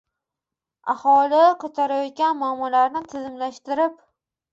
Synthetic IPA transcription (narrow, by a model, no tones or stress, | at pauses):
ahɒlɪqʰʊt̪ʰaɾajɒt̪̚kʲanmʊamːɒlaɾnɪt̪ʰɪzɪmlaʃt̪ɪɾɪp